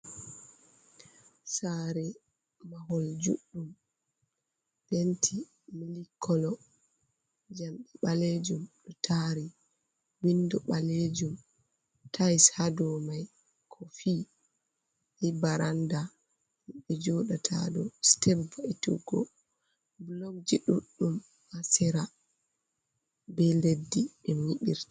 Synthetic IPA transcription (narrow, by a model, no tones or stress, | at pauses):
saɾɛ | maɦɔld͡ʒṵɗːum | b̥entʰi | milikʰːɔlɔ | d͡ʒamɗiɓaled͡ʒumɗɔtʰaɾi | windɔɓaled͡ʒum | tʰajshadɔmaj | kʰɔfi | ʔibaɾanda | nɓɛd͡ʒɔɗatʰa̰dɔstɛbvaitṵɡɔ̰ | bloɡ̚d͡ʒiɗuɗːum | hasɛɾa | bɛledːiɓɛmmiɓḭɾtḁ